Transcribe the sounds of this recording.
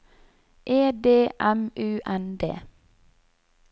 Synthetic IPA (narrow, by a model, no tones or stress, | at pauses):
ʔeːd̪eːʔæmʉːʔænd̪ḛː